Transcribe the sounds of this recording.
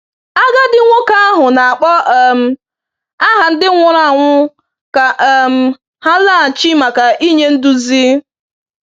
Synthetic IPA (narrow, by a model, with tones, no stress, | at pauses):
a˦ɡa˦dɪ˦ŋʷo˦ka˦a˦ɦʊ˨na˨a˨k͡pɔ˦ʔm̩˦ | a˦ɦa˨n̩˦dɪ˦ŋʷʊ˨ɾa˦˨ŋʷʊ˦ | ka˨ʔm̩˨ | ha˦la˦˨t͡ʃi˦ma˨ka˨ʔi˦ɲe˦n̩˦dʊ˦zi˦